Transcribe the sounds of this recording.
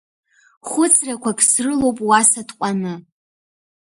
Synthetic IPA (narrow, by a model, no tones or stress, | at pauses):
χʷʊt͡sʰʼrakʷʰakʰʼsrɨlo̞wpʼwasatqʷʼanɨ